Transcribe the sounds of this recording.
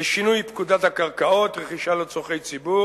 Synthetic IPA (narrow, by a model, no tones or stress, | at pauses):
ʃinujpkud̪at̪hakaʁkao̞t̪ʁeχiʃalet͡soχe̞jt͡sibu